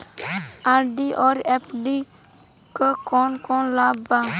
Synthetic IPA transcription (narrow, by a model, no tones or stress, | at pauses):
aɾɖiʔɔɾɛpɖi | kəkɔnkɔnlaba